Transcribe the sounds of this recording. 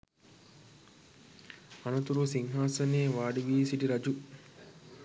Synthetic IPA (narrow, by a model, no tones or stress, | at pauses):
ɐnɐt̪uɾusiŋɦaːsɐneːʋaːɖiʋiːsiʈiɾɐd͡ʒu